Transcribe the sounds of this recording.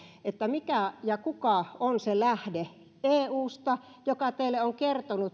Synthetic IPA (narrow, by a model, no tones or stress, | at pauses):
et̪ːæmikæjɑkukɑonselæhde | eːuːst̪ɑ | jokɑt̪eilːeoŋkert̪onut̪